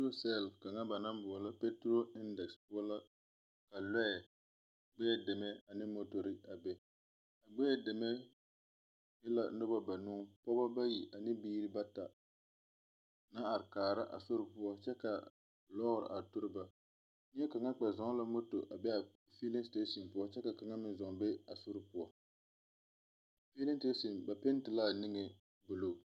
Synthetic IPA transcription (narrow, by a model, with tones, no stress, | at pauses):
o˦sɛ˦˨lka˨ŋa˦ba˨na˦mbʊ˨ɔ˨la˦pɛ˦tɾo˦ɪ˦ndɛ˨kspʊ˦ɔ˦la˦ | ka˨lɛ˦ɛ˨ | ɡ͡bɛ˦ɛ˦dɪ˨mɛ˦a˨nɪ˦mo˦to˨ɾi˦a˨bɛ˦ | a˨ɡ͡bɛ˦ɛ˦dɪ˨mɛ˦ | jɪ˦la̰˨˦nʊ˦ba˦ba˨nuː˦pɔ˦ba˦ba˦ji˨ʔa˨nɪ˦biː˦ɾɨ˦ba˦ta˨ | na˦a˨ɾɪ˨kaː˨ɾa˦ʔa̰˨so˦ɾɨ˨pʊ˦ɔ˦t͡ʃɛ˦ka˨ | lɔ˦ɣʊ˨ɾɨ̰˨a˨tʊ˦ɾɨ˦ba˨ | ɲ˦ɛ˦ka˨ŋa˦k͡pɛ˨zɔ˨ŋ˦la˦mo˦to̰˨ʔa˨bɛ˦a˨ | fi˦lɪ˦ste˦si˨npʊ˦ɔ˦t͡ʃɛ˦ka˨ka˨ŋa˦mɪ˨nzɔ˨ŋ˨bɛ˦a˨so˦ɾɨ˨pʊ˦ɔ˦ | fi˦lɪ˦n˦te˦si˨nba˨pe˦n˦tɪ˨laː˦˨nɪ˦ŋe˨ | bʊ˨lo˦˨